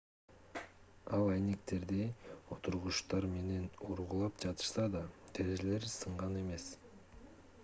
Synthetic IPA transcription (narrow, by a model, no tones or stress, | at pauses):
ɑlˠɑjnekt̪e̞ɾd̪io̞t̪ʰuɾʁuʃt̪ɑɾme̞ne̞noɾʁulˠɑpd͡ʒɑt̪ɯ̥ʃsɑd̪ɑt̪ʰeɾeʒele̞ɾsɯɴʁɑne̞me̞s